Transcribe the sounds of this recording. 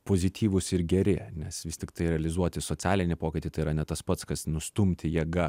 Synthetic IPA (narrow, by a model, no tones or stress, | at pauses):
poːzʲɪt̪ʲʰiːʋʊsɪɾɡʲɛɾʲɪnʲɛsʋʲɪsʲt̪ʲɪkt̪ɐɪɾʲɛɐlʲɪzuɔt̪ʲɪsoːt͡sʲæːlʲɪnʲɪpoːkʲɪt̪ʲiːt̪ɐɪiɾɐnʲɛt̪ɐspɐt̪skɐsnʊst̪ʊmʲt̪ʲɪjiɛɡɐ